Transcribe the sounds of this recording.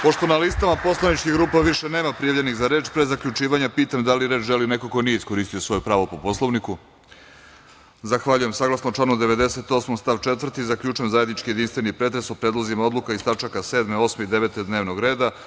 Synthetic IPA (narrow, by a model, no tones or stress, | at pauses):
po̞ʃt̪o̞nalist̪amapo̞slˠanit͡ʃkiɡɾuːpaʋiʃene̞ːmapɾijaʋʎe̞nixzaɾe̞ːt͡ʃpɾezakʎut͡ʃiːʋaɲapiːt̪amd̪aliɾed͡ʒʒe̞linekokonijeisko̞ɾist̪ijosʋo̞jupɾaːʋopo̞po̞slˠoʋniku | zaxʋaʎuje̞msaɡlˠasnot͡ʃlˠanud̪eʋe̞d̪e̞se̞t̪o̞ːsmost̪aʋt͡ʃet̪ʋr̩t̪izakʎut͡ʃuemzaːjed̪nit͡ʃkijed̪inst̪ʋenipɾe̞t̪ɾesopɾed̪lˠozimao̞d̪lˠukaist̪at͡ʃakaseːd̪meo̞smeid̪eʋe̞t̪ed̪neːʋnoɡɾe̞ːd̪a